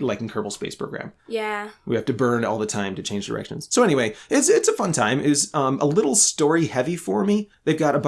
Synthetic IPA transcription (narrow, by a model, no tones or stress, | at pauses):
laɪkn̩kʰɜ˞pl̩ˠspeɪspʰɹ̥oʊɡɹæ̰̃mjæwihæftɨbɜ̃˞nɔ̰lˠðətʰãɪ̃mtɨt͡ʃʰẽɪ̃nd͡ʒdə̰˞ɛ̰kʃɨ̃nz̥soʊɛñiweɪɪtsɪtsəfʌ̃ntʰãɪ̃mɪzʌ̃mʔəlɪɾl̩ˠstɔɹihɛvifə˞mi | ðeɪvɡɑɾəb